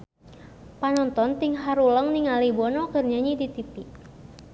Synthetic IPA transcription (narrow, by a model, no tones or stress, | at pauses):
panɔnt̪ɔnt̪iŋɦaɾuləŋniŋalibɔnɔkərɲaɲidit̪ipiʔ